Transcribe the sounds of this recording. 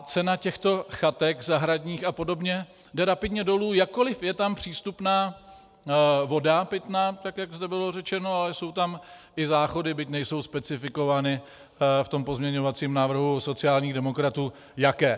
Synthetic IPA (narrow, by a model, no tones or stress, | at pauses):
t͡sɛnacɛxt̪o̞xat̪ɛkzaɦɾaɟɲiːxapo̞do̞bɲɛ | dɛɾapɪdɲɛdo̞luːjakkːo̞lɪfjɛt̪ampr̝̥iːst̪upnaː | vo̞dapɪt̪naːt̪akjaɡzd̪ɛbɪlo̞rɛt͡ʃɛno̞alɛso̞wt̪amʔɪzaːxo̞dɪbɪcnɛjso̞wspɛt͡sɪfɪko̞vaːnɪ | ft̪o̞mpo̞zmɲɛɲo̞vat͡siːmnaːvr̩ɦuso̞t͡sɪaːlɲiːɣdɛmo̞kɾat̪uː | jakɛː